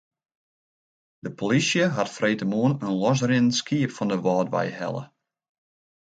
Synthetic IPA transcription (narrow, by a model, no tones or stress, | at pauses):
d̥əpʰolisjəɦatfrejtəmuənənlɔs̬rɪnskiəpfɔndəʋɑːdʋɛ̰jhɛ̰lˠə̰